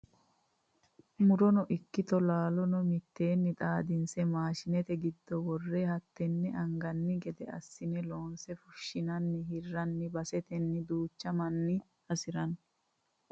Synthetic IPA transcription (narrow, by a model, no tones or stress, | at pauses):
mʊɾɔnɔʔɪkːɪt̪ɔlaːlɔnɔmɪt̪ːe̞ːnːɪt̪ʼaːd̪ɪnsɛmaːʃɪnɛt̪ɛɡɪd̪ːɔwɔrːehɐt̪ːɛnːɛʔɐŋɡɐnːɪɡɛd̪ɛɐ̰sːɪnɛlo̞ːnsɛfʊʃːɪnɐnːɪɦɪrːɐnːɪbɐsɛt̪ɛnːɪd̪uːt͡ʃːɐmɐnːɪ | ɐsɪɾɐn